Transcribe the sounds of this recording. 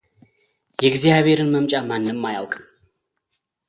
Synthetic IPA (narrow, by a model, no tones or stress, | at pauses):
jɛɡzijaβʱe̞ɾɨnməmt͡ʃʼamanːɨmːaja̰lkʼm